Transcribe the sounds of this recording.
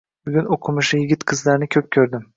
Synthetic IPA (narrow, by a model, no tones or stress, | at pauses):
buɡʲynokʰumuʃɯjiɡʲit̪kʰɯzlˠaɾnɪkʲʰøp̚cʲʰøɾd̪ym